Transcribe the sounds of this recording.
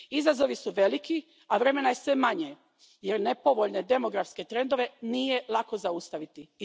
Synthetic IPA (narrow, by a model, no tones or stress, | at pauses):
izazo̞ʋisuʋe̞liki | aʋɾe̞me̞najesʋe̞maɲe | je̞ɾne̞po̞ʋo̞ʎne̞d̪e̞mo̞ɡɾafske̞t̪ɾe̞nd̪o̞ʋe̞nije̞lˠako̞zaust̪aʋit̪i